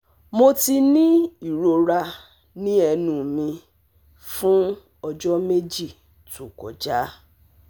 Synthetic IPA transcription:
mo˧ti˧nĩ˦i˦˨ɾo˧ɾa˧ | nĩ˦ɛ˧nũ˨mĩ˧ | fũ˦ | ɔ˧d͡ʒɔ˦me˦d͡ʒi˦˨ | tu˨kɔ̰˨d͡ʒa˦

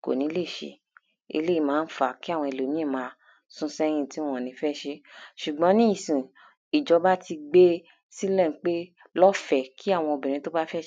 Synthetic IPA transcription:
ko̰˨nĩ˨˦le˦˨ʃḛ˨˧ | ḛ˧le˦i˦˧˨mãː˨˦n̩˦fa˨ki˦a˦˨w̃ɔ̃˧i˧˨lo˨mĩ˦e˦˨mãː˧ | sũ˧˦sɛ˦j̃ĩ˦˨ti˦w̃ɔ̃˦˨nĩ˨˧˦fɛ˦˨ʃe˦ʃu˨ɡ͡bɔ̃˨˦nĩ˦i˦˨sĩ˨ | i˨d͡ʒɔ˧˦ba˦ti˧ɡ͡be˦ | si˦lɛ˦˨n̩˨˦k͡pe˦ | lɔ˦fɛ˨kʰi˦a˦˨w̃ɔ̃˧o˧˨bɛ̃˨ɾ̃ĩ˧˦to˦ba˦fɛ˦

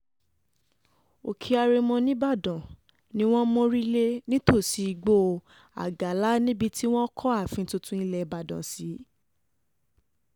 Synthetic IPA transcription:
o˨kʰi˧a˧ɾe˧mɔ̃˧nĩ˦ba˦˨dã˨ | nĩ˧˦w̃ɔ̃˦mɔ̃˦ɾi˦le˦nĩ˦to˦˨si˨˦i˧ɡ͡bo˦˧ | a̰˨ɡa˨˦la˨˦nĩ˦bi˧ti˦w̃ɔ̃˦kʰɔ˦a˦˨fĩ˧˦to˧tũ˦i˦lɛ˧ba˨dã̰˨si˨˦

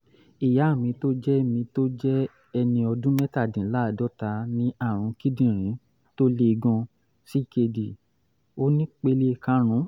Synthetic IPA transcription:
i˨ja˨˦˨mĩ˧to˦d͡ʒɛ˦mĩ˧to˦d͡ʒɛ˦ | ɛ˧nĩ˧ɔ˧dũ˦mɛ˦ta˦˨dĩ˨˦la˦˨dɔ˨˦ta˨˦nĩ˦a˦˨ɾ̃ũ˨˦ki˦dĩ˦˨ɾ̃ĩ˨˦ | to˦le˦˧ɡɔ̃˧ | si˦˨ke˧di˨ | o˦nĩ˦k͡pe˦le˦˧˨kã˦ɾ̃ũ˨˦

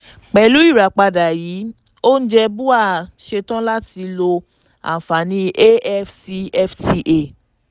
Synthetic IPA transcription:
k͡pɛ˧˨lu˨˦i˦˨ɾa˨k͡pa˧da˨ji˨˦ | o˦n̩˦d͡ʒɛ˧bu˦a˦˨ʃe˧tã˦la˦ti˧lo˧ | a̰˨fa˨nĩ˧˦ʔe˦ɛ˦fsi˧ɛ˦fti˧ʔe˨

